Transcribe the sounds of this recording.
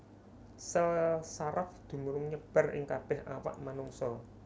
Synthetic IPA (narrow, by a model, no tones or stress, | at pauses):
səlsaɾafd̪̥ṳmuɾʊŋɲəb̥a̤rʔɪ̰ŋkab̥ɛhawa̰ʔmanuŋsɔ